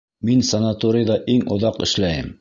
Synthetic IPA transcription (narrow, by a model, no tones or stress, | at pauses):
minsɐnat̪oɾʲijd̪ɑʔiŋŏ̰ðɑqɘ̰̆ʃlæjɘm